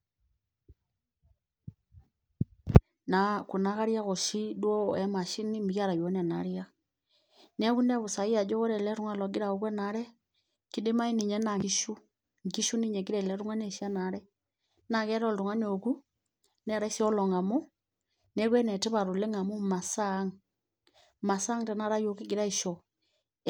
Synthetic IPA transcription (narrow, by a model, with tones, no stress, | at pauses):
na˨ku˨na˦ɣa˦ɾja˦ɣo˨ʃi˦dwɔ˦ɛ˦ma˨ʃi˦ni˦m˨ja˦ɾa˨jo˨˦nɛ˨na˨ɾia˦ | nɛ˦ɣu˦nɛ˦βo˨sa˨i˦a˨d͡ʒɔ˦ɣo˦ɾɛ˨lɛ˦ɾu˦ŋwa˨lɔ˨ɡi˦ɾa˨o˨ɣwɛ˦na˨˦ɾɛ˦ | ki˦de˦ma˦i˦ni˨ɲɛ˦na˨i˦ʃu˦ | ŋɡi˦ʃu˦ni˦ɲɛ˨ki˦ɾɛ˨lɛ˨˦ɾu˦ŋa˦ne˨ʃi˦a˦na˨˦ɾɛ˦ | na˨kɛ˦ɾɔ˦˨ltu˨ŋwa˦n˦o˨ku˦ | nɛ˦˨ɾa˦i˦si˦ɔ˦lɔ˨ŋa˨mo˦ | nɛ˦kwɛ˦nɛ˨tɛ˦βa˨ɾo˨le˦ŋa˨mo˦ma˨sa˦ŋ | ma˨sa˦ŋtɛ˨na˦ɾa˦jo˦ki˦ɡi˨ɾa˦i˨ʃɔ˨